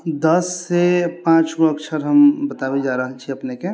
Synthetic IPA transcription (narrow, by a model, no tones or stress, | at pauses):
d̪əsːepãːt͡ʃɡoəkt͡ʃʰəɾɦəmbət̪abed͡ʒaɾəɦət͡ʃʰiəpneke